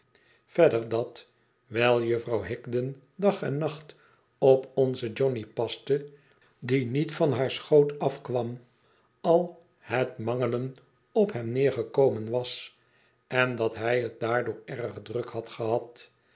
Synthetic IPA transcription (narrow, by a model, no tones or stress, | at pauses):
fɛdəɹdɑt | ʋɛlˠjøfrɑwɦɪkdən | dɑχɛnːɑχt | ɔpɔnzəd͡ʒɔnipɑstə | dinitfɑnɦaːɹsχowtɑfkʋɑm | ɑlˠ | hətmɑŋələn | ɔpɦɛmnɪːɹχəkowmənʋɑs | ɛndɑtɦɛjət̚daːɹdʊːɹɛrəχdrəkhɑtχəɦɑt